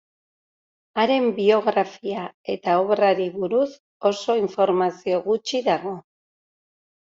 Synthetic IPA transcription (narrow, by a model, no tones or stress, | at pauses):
aɾe̞mbio̞ɣɾafiae̞t̪aoβraɾiβuɾus | o̞so̞iɱfo̞ɾmasio̞ɣut͡ʃiðaɣ̞o̞